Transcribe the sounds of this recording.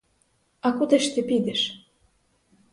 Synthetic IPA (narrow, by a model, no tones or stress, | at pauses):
ɑkud̪ɘʃt̪ĕpid̪ɘ̆ʃ